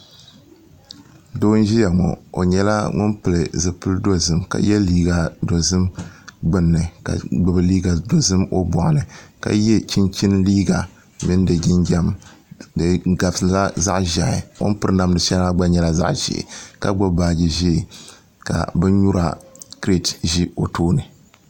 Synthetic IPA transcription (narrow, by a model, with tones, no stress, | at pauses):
doː˦n˦ʒi˦ja˨ŋɔ̰˨o̰˨ɲɛ˦la̰˦ŋʊ˦npɨ˨lɨ˨zɨ˨pɨ˦ldo˦zɨ˦mka̰˨jɛ˦liː˦ɡa˨do˨zɨ˦mɡ͡bɨ˦nːɨ˨ka̰˨ɡ͡bɨ˦bɨ˦liː˦ɡa˨do˨zɨ˦mo˦bɔ˨ʔa˨nɨ˨ka̰˦jɛ˦t͡ʃi˦nt͡ʃi˦nliː˦ɡa˨ | mɪ˦n˦dɨ˨ɡɪ˦nɡa˦mdɨ˨ɡa˨bsɨ˨la˦za˦ʔʒa˨ɪ˨ŋɔ̰˦npɨ˦ɾɨ˦na˨mnɨ˨ʃɛ˦n˦la˦ɡ͡ba˦ɲɛ˦la˦za̰˦ʔʒḛ˨ka˦ɡ͡bɔ˦baː˦˨d͡ʒi˨ʒe˦˨ | ka̰˨bɨ˦n˦ɲu˦ɾa̰˨kɾe˦˨tʒi˦o˨toː˦nɨ˨